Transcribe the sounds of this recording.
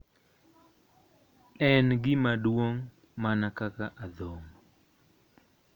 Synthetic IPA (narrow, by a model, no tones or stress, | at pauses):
ɛnɡɪmadwoŋ | manakakaʔad̪om